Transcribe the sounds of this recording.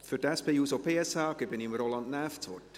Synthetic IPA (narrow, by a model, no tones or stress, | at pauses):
fyɾtɛspeːuːsopʰeːɛsɑːɡ̥ɪbɪnimɾolɑndnæːft͡sʋɔt